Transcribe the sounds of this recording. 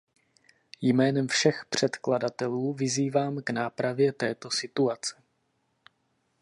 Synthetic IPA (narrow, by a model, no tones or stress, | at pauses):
jmɛːnɛmfʃɛxpr̝̥ɛt̪kladat̪ɛluːvɪziːvaːmɡnaːpɾavjɛt̪ɛːt̪o̞sɪt̪uat͡sɛ̥